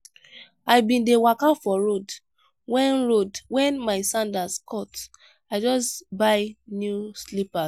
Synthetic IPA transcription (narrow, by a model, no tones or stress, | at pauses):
aɪbĩndewakafɔɹod | wɛ̃nɹodwɛ̃nmaɪsãndaskɔt | aɪd͡ʒɔsbaɪnjuslipa